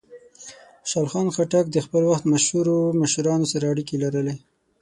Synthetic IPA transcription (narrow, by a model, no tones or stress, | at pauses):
ʃɑlxɑnxaʈak̚d̪əxpəlwaxt̪maʃhuɾoməʃuɾɑnosaɾaaɽikelaɾəle